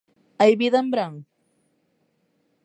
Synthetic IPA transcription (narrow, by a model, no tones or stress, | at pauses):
ajbiðambɾaŋ